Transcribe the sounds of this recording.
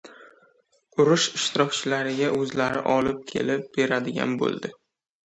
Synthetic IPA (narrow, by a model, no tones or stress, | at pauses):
ʊɾʊʃɪʃt̪ʰɪɾɒkʲt͡ʃʰɪlaɾɪɡʲaʔɵzlaɾɪ̰ʔɒlɪp̚kʲʰe̞̰lɪp̚b̥e̞ɾad̪ɪɡʲa̰nbo̰lˠd̪ɪ